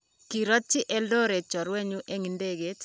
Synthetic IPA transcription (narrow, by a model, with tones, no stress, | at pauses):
ki˨ɾɔ˦t͡ʃːɪ˦ʔɛ˦lo˦ɾe˨t͡ʃɔ˨ɾwe˦ɲu˦ʔe˦ŋi˨nde˦ɡe˨˦t